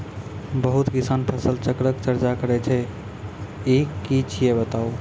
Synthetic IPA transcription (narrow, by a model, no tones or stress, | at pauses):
bəɦut̪kisanpʰəsəlt͡ʃəkɾəkt͡ʃəɾt͡ʃakəɾɛt͡ʃʰɛ | ikit͡ʃʰijebət̪au